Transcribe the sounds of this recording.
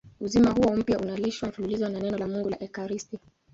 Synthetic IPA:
uzimaɦuɔm̩pjaʔunaliʃwafululizwananɛnɔlamuŋɡulaʔɛkaɾisti

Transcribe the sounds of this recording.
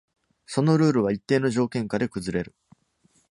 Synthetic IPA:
so̞no̞ɾɯ̟ːɾɯ̟β̞ait̪ːe̞ːno̞ʑo̞ːkẽ̞ŋkad̪e̞kɯ̟zɨɾe̞ɾɯ̟

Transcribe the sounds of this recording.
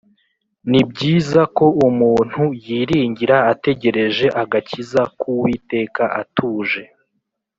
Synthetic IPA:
nib̚ɟiːzako̞umuːn̥hujiːɾiːɲɟiɾaːte̞ɟe̞ɾe̞ʒe̞ʔaɡacizakʰuwite̞ːkaʔatʰuːʒe̞

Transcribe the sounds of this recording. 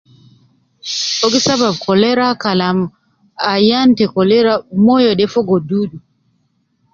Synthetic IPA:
ɔɡisabab̚kʰɔlɛɾakalam | ajantɛkɔlɛɾamɔjɔɗɛfɔɡɔduːɗu

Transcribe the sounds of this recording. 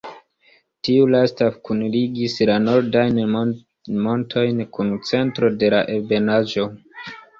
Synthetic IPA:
tiulastakunliɡislano̞ɾdajn | mo̞ntʰo̞jnkunt͡se̞ntɾo̞de̞laʔebe̞naʒo̞

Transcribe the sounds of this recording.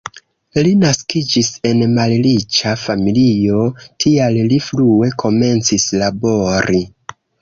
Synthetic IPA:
linaskid͡ʒise̞nmalɾit͡ʃafamilio̞tʰialliflue̞kʰo̞me̞nt͡sislabo̞ɾʔi

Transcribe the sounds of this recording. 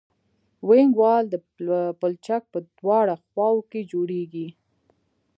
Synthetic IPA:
weŋɡwɑld̪ə | pəlt͡ʃak̚pəd̪wɑɽaxwɑwked͡ʒoɽeɡi

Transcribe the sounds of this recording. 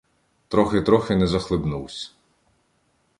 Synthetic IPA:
t̪ɾɔxɪt̪ɾɔxɪnɛzɐxlˠɪbnuwsʲɐ̥

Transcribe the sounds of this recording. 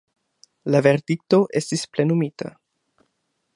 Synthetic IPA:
lave̞ɾdik̚to̞ʔe̞stisple̞numita̰

